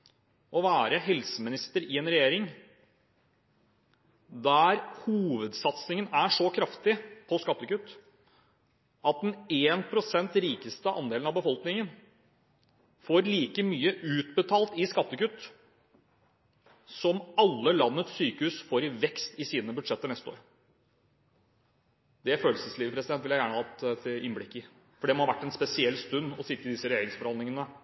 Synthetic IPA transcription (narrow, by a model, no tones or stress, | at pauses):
ɔʋæːɾəɦɛlsəmɪnɪst̪əɾɪɛːnɾɛjeːɾɪŋ | d̪æɾhuːʋəd̪sɑt̪snɪŋənæʂɔkʰɾɑft̪ɪpʰɔskɑt̪ːəkʉt̪ː | ʔɑt̪̚d̪ɛneːnpʰɾʊsɛnt̪ɾiːkəst̪əʔɑ̰nd̪eːlnɑbəfɔlknɪŋən | foːɾliːkəmyːəʔʉːt̪bət̪ʰɑːlt̪ɪskɑt̪ːəkʉt̪ː | sɔmɑlːəlɑnːət̪syːkəhʉːsfoɾɪʋɛkst̪ɪsiːnəbʉd̪ʂɛt̪ːəɳɛst̪əo̰ːɾ | d̪̥ɛæføːlsəsliːʋəpɾɛsɪd̪ɛnt̪ʋɪljæɪjæːɳəhɑt̪ʰɪnblɪkːɪ | fɔɖɛmɔhɑʋæʈːɛnspɛsɪɛlːst̪ʉnːɔsɪt̪ːəɪd̪ɪsːəɾɛjeːɾɪŋsfɔɾɑnɪŋənə